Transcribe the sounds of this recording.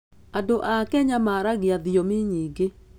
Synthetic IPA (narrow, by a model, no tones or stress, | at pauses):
adoʔakɛɲamaɾaɣeaðiomiɲiːɡe